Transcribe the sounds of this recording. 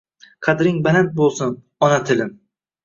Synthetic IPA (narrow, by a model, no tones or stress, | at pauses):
qʰɑd̪ɾɪŋbalant̪̚bolˠsʊn | ɒnat̪ʰɪlɪm